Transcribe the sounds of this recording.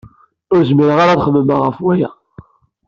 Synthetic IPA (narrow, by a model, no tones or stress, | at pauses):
ʊɾzmiɾəʁaɾaðχəmːəmaʁəfwæjæ̰